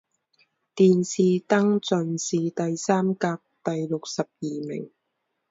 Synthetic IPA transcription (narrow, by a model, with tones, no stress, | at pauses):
t̪iː˨nsiː˨t̪ɐ˥ŋt͡sɵ˨nsiː˨˩t̪ɐ˨jsaː˥mkaː˧p̚t̪ɐ˨jlʊ˨k̚sɐ˨p̚jiː˨mɪ̰˨˩ŋ